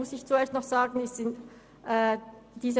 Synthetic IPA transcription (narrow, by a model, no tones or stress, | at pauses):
ʊsɪçt͡sueːɐstnɔχz̥aːɡn̩ɛsz̥ɪnt | ʔɛːd̥iːzə